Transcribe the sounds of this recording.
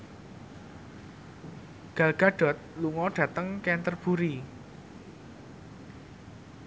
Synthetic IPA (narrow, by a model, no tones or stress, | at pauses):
ɡ̥a̤lɡ̥a̤ɖ̥ɔ̤t̪̚luŋɔɖ̥ä̤t̪əŋkɛnt̪ərb̥ṳɾi